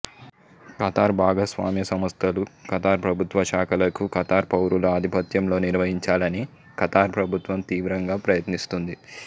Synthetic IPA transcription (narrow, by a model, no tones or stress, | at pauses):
kɐt̪aːɾbʱaːɡɐsʋa̰ːmjɐsɐmɐst̪ʰɐlukɐt̪aːɾpɾɐbʱut̪ʋɐʃaːkʰɐlɐkukɐt̪aːɾpɐwɾulɐɐd̪ʱipɐt̪jɐmlo̞ːniɾʋɐɦiɲt͡ʃaːlɐni | kɐt̪aːɾpɾɐbʱut̪ʋɐmt̪iːʋɾɐŋɡaːpɾɐjɐt̪nist̪und̪i